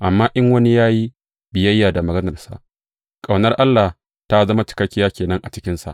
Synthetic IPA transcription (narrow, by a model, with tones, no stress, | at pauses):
ʔa˨mːaː˦ʔɪ˦ŋwɐ˦ni˦jaː˦ji˦ | bɪ˨jɐ˦jːaː˨da˨mɐ˨ɡɐ˦nɐ˨rsa̰˨ʔ | kʼa˨wnɐ˦rʔa˦lːa˨h | ta˦zɐ˦ma˦t͡ʃɪ̥˨kɐ˦kʲːɪ˦jaː˦kʲeː˨nɐ˦ŋʔa˨t͡ʃɪ̥˦kʲɪ˦nsa̰˨ʔ